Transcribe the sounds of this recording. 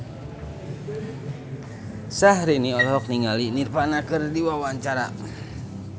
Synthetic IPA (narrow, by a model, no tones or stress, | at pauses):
sahɾiniɔlɔɦɔk̚niŋalinirpanakɨrdiwawaɲt͡ʃaɾa̰